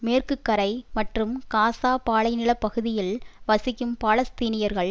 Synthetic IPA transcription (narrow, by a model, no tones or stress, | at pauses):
meːrkɯkːɐɾɐɪmɐʈrɯmkaːsaːpaːɭɐɪnɪɭɐpːɐɣɯðɪjɪlʋɐsɪkːɯmpaːɭɐst̪iːnɪjɐɾɣɐɭ